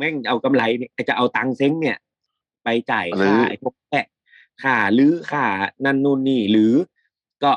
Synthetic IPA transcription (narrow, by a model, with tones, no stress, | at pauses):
mɛ˧˥˩ŋ˨ʔa˧˩wka˧mla˨˦jni˧˥˩ʔaː˧˩t͡ɕa˨˩ʔa˧wt̪aː˧ŋse˧˥˩ŋni˧˥˩ɐ | pa˧jt͡ɕa˨˩jlɯː˨˦ʔa̰˧˩jpʰo˧˩˧ɛ˧˩ʔ | kʰaː˧˩lɯː˨˦kʰaː˧˩na˧˥˩nːuː˧˥˩nːiː˧˩lɯː˨˦ | kɔː˧˩